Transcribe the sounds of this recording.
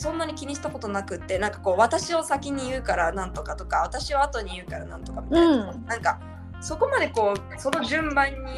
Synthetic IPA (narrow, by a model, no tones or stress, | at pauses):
sõ̞nːaɲ̟ikʲiɲ̟iɕi̥t̪ako̞t̪o̞nakɯ̟t̪ːe̞nãŋkḁko̞ːβat̪aɕio̞sakʲiɲ̟ijɯ̟ːkaɾanãnt̪o̞kat̪o̞kaβat̪aɕiβaat̪o̞ɲ̟ijɯ̟ːkaɾanã̰nt̪o̞̥kamʲitajonãŋka | so̞ko̞mad̪e̞ko̞ː | so̞no̞ʑɨ̃mbãɲ̟ːi